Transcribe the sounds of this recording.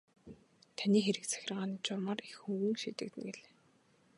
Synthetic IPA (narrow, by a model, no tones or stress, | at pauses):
t̪ʰaniːxeɾɘ̆kt͡sʰæ̥xʲɪ̆rʁaːniːt͡ɕʊrmarixxuɣɘ̆ŋʃḭːt̪ɘ̆k̚t̪ɘ̆nɡeɮeː